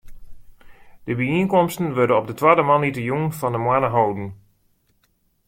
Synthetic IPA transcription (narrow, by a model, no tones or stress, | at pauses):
d̥əbəiənkɔmstən̩ʋøɹdənɔb̚dətwadəmalˠnitəjunfɔndəmwanəɦowdən̩